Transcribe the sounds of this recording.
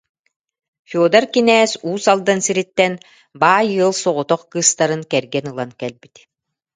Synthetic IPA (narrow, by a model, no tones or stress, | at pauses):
fuɔd̪aɾkinɛːsuːsalˠd̪ansiɾit̪ːɛn | baːjɯːlˠsɔʁɔt̪ɔχkɯːst̪aɾɯnkɛɾɡɛnɯlˠankɛlbit̪